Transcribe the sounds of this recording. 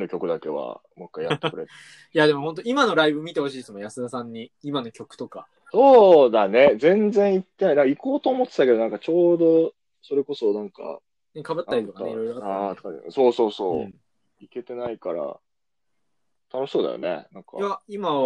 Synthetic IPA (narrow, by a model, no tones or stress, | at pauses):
no̞kʲo̞kɯ̟d̪ake̞βa̰mokːaijat̪ːkɯ̟ɾe̞t̪ːe | jad̪e̞mo̞ɦont̪̬o̞imano̞ɾaibɯmʲit̪e̞ho̞ɕiːsmojasɨd̪asãɲ̟ːiimano̞kʲo̞kɯ̥t̪o̞ka | so̞ːd̪ane̞d͡zẽ̞nd͡zẽ̞ɰ̃it̪ːe̞nainaŋkaiko̞ːt̪o̞ːmo̞t̪ːe̥t̪ake̞d̪o̞nãŋkat͡ɕo̞ːd̪o̞ | so̞ɾe̞ko̞so̞nãŋka̰ | nekabɯ̟t̪ːaɾitt̪okaḛiɾo̞jɾoaat̪aso̞ːso̞ːsoː | ike̞t̪e̞naikaɾa̰ | t̪ʰano̞ɕi̥so̞ːd̪a̰jo̰nḛnãŋka̰aima